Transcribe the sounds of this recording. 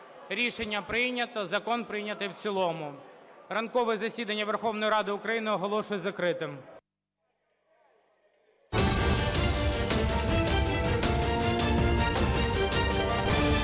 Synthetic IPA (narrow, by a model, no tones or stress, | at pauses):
ɾʲiʃenʲːɐpɾɪjnʲɐt̪ɔzɐkɔnpɾɪjnʲɐt̪ɪjwt͡sʲilˠɔmʊrɐnkɔʋɛzɐsʲid̪ɐnʲːɐʋerxɔwnɔjɾɑd̪ɪʊkɾɐjinɪɔɦɔlˠɔʃʊjɛzɐkɾɪt̪ɪm